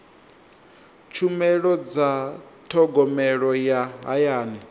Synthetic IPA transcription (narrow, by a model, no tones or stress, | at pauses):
t͡ʃʰumɛɺɔd͡zat̪ʰɔɡɔmɛɺɔjaɦa̰jaːnɛ